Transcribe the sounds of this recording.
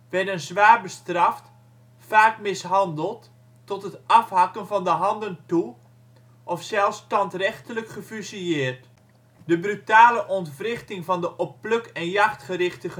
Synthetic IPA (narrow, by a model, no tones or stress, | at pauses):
ʋɛdənzʋaːrbəstrɑft | faːkmɪsɦɑndəlˠtː | ɔtɦətɑfɦakənvɑndəɦɑndəntu | ʔɔfsɛlˠstɑntrɛχtələkχəfysiɪːərt | dəbrytaːləʔɔntfrɪχtɪŋvɑndəʔɔpːløkɛnjaχtχərɪχtə